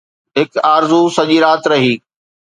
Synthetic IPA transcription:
ɦɪkaːɾzusɐʄiɾaːt̪ɾɐɦiː

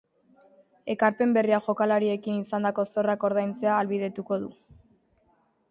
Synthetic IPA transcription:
e̞kaɾpe̞mbe̞riaʝo̞kalaɾie̞kinisand̪ako̞so̞rako̞ɾðajnt͡se̞aːlβið̞e̞t̪uko̞ðu

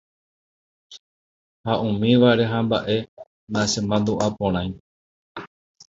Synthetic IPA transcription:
haʔũmĩʋaɾe̞ɦãmbaʔe̞ | nasembãnd̪uʔapõɾ̃ãj̃

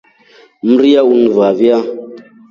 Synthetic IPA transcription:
m̩ɾijaunvavia

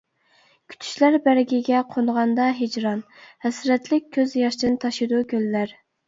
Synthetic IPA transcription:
kʲʰy̥t̪ʰy̥ʃlæɾbæɾɡʲiɡʲɛqʰonʁɑnd̪ɑɦed͡ʒɾɑn | hɛsɾɛt̪lɪk̚ʲʰːøzjɑʃd̪ɪnt̪ʰɑʃɨd̪ukʲʰølːæɾ

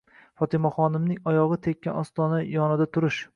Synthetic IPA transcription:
fɒt̪ʰɪmaχɒnɪmnɪŋɒjɒʁɨt̪ʰekʲʰːanɒst̪ɒnajɒnɪd̪at̪ʰʊɾɪʃ

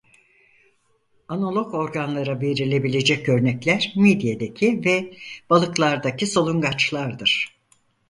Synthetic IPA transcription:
anolˠo̞ko̞ɾɡanlˠaɾabeɾilʲe̞bilʲe̞d͡ʒɛcø̞ɾnɛclʲæɾmed̪ijed̪ecʰivɛb̥alˠɯklˠaɾd̪acʰiso̞lˠuŋɡat͡ʃlˠaɾd̪ɯɾ̥

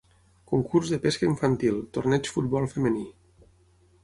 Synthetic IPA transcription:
kuŋkʰurzðəpeskəiɱfənt̪ilˠt̪ornɛt͡ʃfut̪̚bɔlˠfəməni

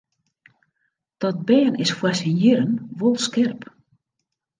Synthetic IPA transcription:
d̥ɔt̚bɛːənɪsfwɛsɪnjɪɾənʋolˠskɪrp

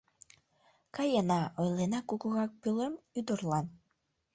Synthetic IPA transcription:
kɑjenɑojlenɑkukuɣɑk̚pylemyd̪orlˠɑn

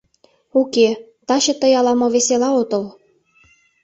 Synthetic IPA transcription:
uke | t̪ɑɕɤ̆t̪ə̆jɑlɑmoβeselɑot̪ɤ̆l

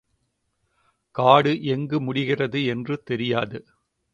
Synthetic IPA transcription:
kaːɽɯʔɛŋɡɯmʊɽɪɣɪrɐðɯɛndrɯt̪ɛɾɪjaːðɯ

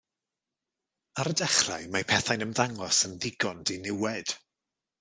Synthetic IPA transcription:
aɾədɛχra̰jmapʰɛθajnəmðaŋlɔsənðɪɡɔnd̥inɪwɛd̥

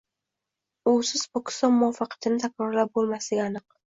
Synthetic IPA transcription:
ʊsɪzpʰokʲɪ̥st̪ɒnmʊafɑqʰɑ̥t̪ʰɪnɪt̪ʰakʲɾɒɾlap̚bolˠmaslɪɡʲaanɨq̚

